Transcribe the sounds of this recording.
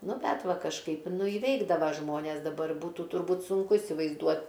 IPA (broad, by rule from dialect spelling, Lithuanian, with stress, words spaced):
ˈnʊ ˈbʲɛt ˈʋɐ kɐʃˈkɐɪp ˈnʊ ɪˈʋʲɛɪɡdɐʋɐ ˈʒmoːnʲɛs dɐˈbɐr ˈbuːtʊ tʊrˈbuːt sʊŋˈkʊ iːsʲɪʋɐɪzˈduɔt